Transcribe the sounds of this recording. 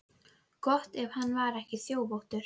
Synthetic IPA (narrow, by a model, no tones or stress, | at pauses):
kɔht̪ɛv̥hanːvaɾɛhcɪθjoːwpowht̪ʏɾ̥